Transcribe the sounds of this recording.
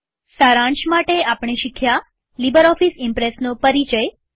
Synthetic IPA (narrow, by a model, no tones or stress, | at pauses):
saɾãɳʃmaʈeapɳ̃eʃikʰja | libəɾɔfisɪmpɾesnopəɾit͡ʃəj